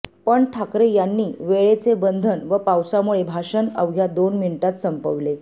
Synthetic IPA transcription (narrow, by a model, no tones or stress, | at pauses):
pəɳʈʰakɾejanːiːʋeɭet͡sebənd̪ʱənʋəpawsamuɭebʱaʂənə̰ʋɡʱjad̪onminʈat̪səmpəʋle